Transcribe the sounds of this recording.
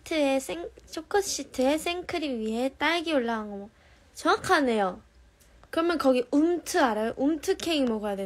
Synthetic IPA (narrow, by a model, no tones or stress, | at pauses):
tʰɯesʰeŋsʰokʰʌɕ͈itʰɯe̞sʰeŋkʰɯɾiɥiɦe̞t͈aɭɡioɭːaɡanɡʌmwʌ | t͡ɕʌŋakʰane̞jo | kɯɾʌmjʌnkʌɡiumtʰɯaɾajoʔumtʰɯkʰeŋimʌɡʌjadwe